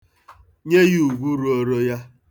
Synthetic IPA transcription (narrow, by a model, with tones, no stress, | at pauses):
ɲe˦ji˦u˨ɡʷu˦ɾu˨o˦ɾo˦ja˦